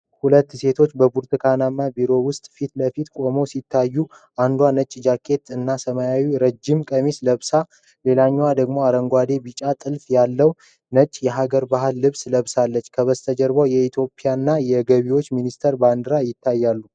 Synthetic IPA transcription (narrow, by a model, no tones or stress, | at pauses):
hulət̪ːse̞t̪ʰo̞t͡ʃːbəbuɾt̪ʰɨkʰanamːabiɾo̞wʊst̪ʼfit̪ləfit̪kʼo̞mowsit̪ʰːajːu | ʔand̪wanət͡ʃʼːd͡ʒakʰʼːe̞t̪ɨnːasəmajawiɾəd͡ʒːɪmkʼəmisləβsa | le̞laɲːwad̪əɡmo̞aɾəŋɡʷad̪e̞bit͡ʃʼat̪ʼɨlfjalːəw | nət͡ʃʼjɛɦaɡəɾbaɦɨlːɨβsləβsalːət͡ʃːkʰəβəst̪ʰəd͡ʒəɾbawjɛit̪ʰjo̞pʼijanːajɛɡəβiwo̞t͡ʃːminist̪ʰəɾband̪ɨɾajɪt̪ʰːajːalːu